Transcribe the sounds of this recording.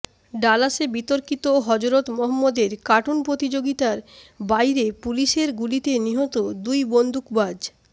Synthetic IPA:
ɖalaʃebit̪oɾkit̪oɦɔd͡ʑoɾot̪mɔɦomːod̪eɾkaʈunpɾot̪id͡ʑoɡit̪aɾbajɾepuliʃeɾɡulit̪eniɦot̪od̪ujbond̪ʱukbad͡ʑ

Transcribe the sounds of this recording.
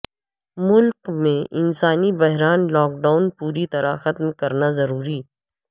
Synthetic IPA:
mʊlkmẽʔɪnsaːnibɐɦɾaːnlɔːk̚ɖaːʊnpuːɾit̪ɐɾaxɐt̪mkɐɾnazɐɾuːɾiː

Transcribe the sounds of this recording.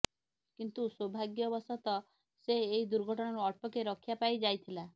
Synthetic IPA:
kint̪uswobʱaɡjɔbɔsɔt̪ɔ | seːid̪uɾɡʱɔʈɔɽ̃aɾuɔɾpɔkeɾɔkʰjapajd͡ʒajt̪ʰila

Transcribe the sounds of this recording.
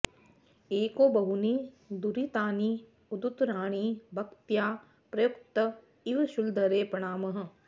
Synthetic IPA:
eːkoːbɐɦuniː | d̪uɾit̪aːniː | ud̪ut̪ɾaːɽ̃iːbʱɐkt̪jaː | pɾɐjukt̪ɐ | iʋʃuld̪ʱɐɾeːpɾɐɽ̃aːmɐɦɐ̆

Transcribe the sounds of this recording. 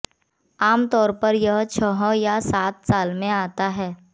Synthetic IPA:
aːmt̪ɔːɾpɐɾjɐɦt͡ʃʰəɦjasaːt̪saːlmẽaːt̪aɦɛː

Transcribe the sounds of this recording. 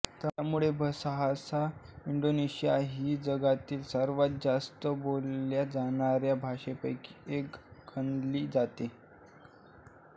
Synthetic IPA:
t̪jamuɭebʱəsəɦasaiɳɖonesijaɦiːd͡zəɡat̪iːlsəɾʋat̪̚d͡zast̪əbolːjad͡zaɽ̃aɾjabʱaʂepəjki̥ekɡənliːd͡zat̪e

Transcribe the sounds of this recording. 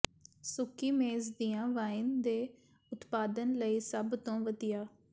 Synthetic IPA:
sʊkiːmeːzd̪iːjãːʋaːɪnd̪eː | ʊt̪paːd̪ənləiːsəbt̪õːʋəd̪ɪjaː

